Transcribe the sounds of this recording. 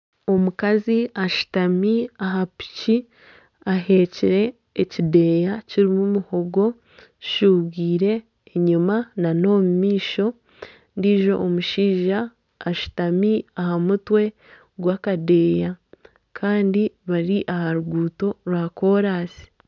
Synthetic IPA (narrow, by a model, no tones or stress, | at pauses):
o̞mukaziaʃu̥tamiaɦapi̥ci | ahe̞ciɾe̞ː | cide̞ːjaciɾimumuho̞ɡo̞ | ci̥ʃuːβɡiːɾe̞ː | ɲumanano̞ːmumiːʃo̞ | ndiʒo̞̰ʔomuʃiːʒaː | ʃu̥tamiahamutwe̞ | ɡwakade̞ːja | kʰaːndiβaɾiʔahaɾuɡuːto̞ɾwaːko̞ːɾaːsi̥